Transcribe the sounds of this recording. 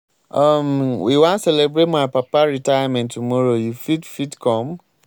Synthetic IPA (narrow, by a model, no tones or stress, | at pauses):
amwiwãnsɛlebɹetmaɪpapaɹitajamɛ̃ntːumɔɹojufidfitkʰɔ̃m